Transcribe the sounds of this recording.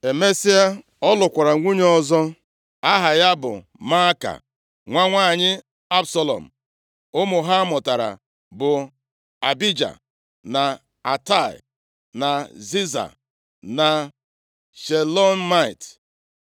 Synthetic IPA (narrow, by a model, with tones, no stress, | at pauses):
e˨me˦si˦a˦ | ɔ˦lʊ˨kʷa˨ɾa˨ŋʷu˦ɲ˦ɔ˦zɔ˦ | a˦ɦa˨ja˦bʊ̰˨ | ma˦ka̰˨ | ŋʷa˦ŋʷaː˦˨ɲɪ˦ | a˦bsa˦lɔ̰˨m̩˨ | ʊ˦mʊ˨ɦa˦a˦mɔ˨ta˨ɾa̰˨ | bʊ˨ | a˨bi˦d͡ʒa̰˨ | na˨ | a˨ta˦˨ɪ̰˨ | na˨zi˦za̰˨ | na˨ | ʃe˨lɔ˦n˦ma˦ɪ˨t